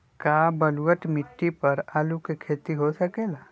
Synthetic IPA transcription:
kaːbɐluwəʈmɪʈːipɐɾaːlukekʰeːt̪iɦosɐkeːlaː

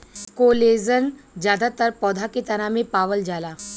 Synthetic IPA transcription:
koled͡zənd͡ʑjad̪at̪əɾpɔd̪ʱakit̪ənamepaʋəld͡ʑala

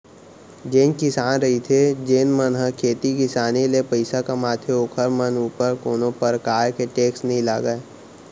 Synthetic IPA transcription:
d͡ʒeːnkɪsaːnɾɐɦit̪ʰed͡ʒeːnmənɦə̃kʰeːt̪ikɪsaːnelepəɪsakamaːt̪ʰjeoːkʰəɾmənuːpəɾkoːnõpəɾkaːɾkeʈeːksnɐɦĩlaːɡəe

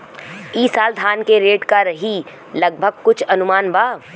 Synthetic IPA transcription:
iːsaːld̪ʱaːnkeɾeːʈkaɾɐɦi | lɐɡ̚bʱəɡ̚kʊt͡ʃʰɐnʊmaːnbaː

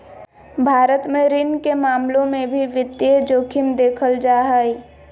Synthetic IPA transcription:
bʱaːɾət̪mẽɾɪnkemaːmlõmẽbʱiʋɪt̪ːjed͡ʒoːkʰɪmd̪eːkʰəld͡ʒaːɦəi

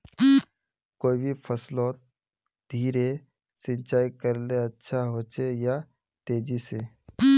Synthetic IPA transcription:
koːibʱipʰəsloːt̪̚ | d̪ʱiːɾe | sɪ̃nt͡ʃaːikəɾleɐtːʃʰaɦoːt͡ʃeja | t̪eːd͡ʒiseː

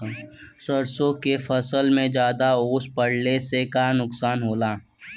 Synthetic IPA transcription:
səɾsõkefʰəsəlmẽd͡ʒjaːd̪aoːspəɽnesekanʊksaːnɦoːlaː

